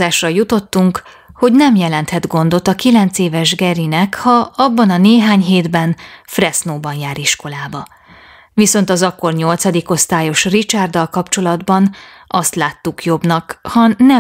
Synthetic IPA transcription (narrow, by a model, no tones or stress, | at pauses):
aːʃrɒjut̪o̞t̪ːuŋk | ho̞ɟnɛmjɛlɛnt̪hɛd̪ɡo̞nd̪o̞t̪ɒkilɛnt̪seːvɛʒɡɛɾinɛkhɒɒbːɒnɒneːɦaːɲɦeːd̪bɛnfrɛsnoːbɒnjaːɾiʃko̞laːbɒ | viso̞n̪t̪ɒzɒkːo̞rɲo̞lt̪sɒd̪iko̞st̪aːjo̞ʃrit͡ʃard̪ɒlkɒpt͡ʃo̞lɒd̪bɒn | ɒst̪laːt̪ːukjo̞bnɒkhɒnɛ